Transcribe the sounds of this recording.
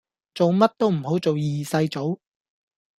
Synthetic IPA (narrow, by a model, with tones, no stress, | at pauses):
t͡so˨wmɐ˥t̚t̪o˥wm̩˨˩ho˨˥wt͡so˨wjiː˨sɐ˧jt͡so˨˥w